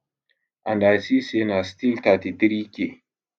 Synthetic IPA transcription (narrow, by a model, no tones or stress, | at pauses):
ʔandasisenastiltatidɾikʲe